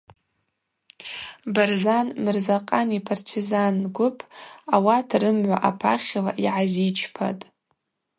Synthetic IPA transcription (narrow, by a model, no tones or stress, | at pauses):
barzanmɨrzaqʼanipʰartʰizanɡʷʊpʰawatʰrɨmʕʷa̰ʔapʰaχʲla̰ʔiʕazit͡ʃʰpʰa̰tʼ